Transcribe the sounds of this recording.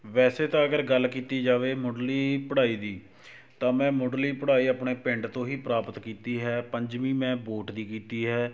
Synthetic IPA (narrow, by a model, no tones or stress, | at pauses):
ʋɛːseːt̪ãːəɡəɾɡəlːkiːt̪iːd͡ʒaːʋeːmoːɖliːpəɽaːiːd̪iː | t̪ãːmɛ̃ːmoːɖliːpəɽaːiːapɳeːpɪɳɖt̪õːɦiːpɾaːpət̪kiːt̪iːɦɛːpəɲd͡ʒʋĩːmɛ̃ːboːʈd̪iːkiːt̪iːɦɛː